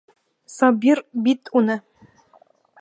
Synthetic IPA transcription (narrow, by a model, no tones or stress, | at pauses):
sɑbʲirbit̪ʰʼunɘ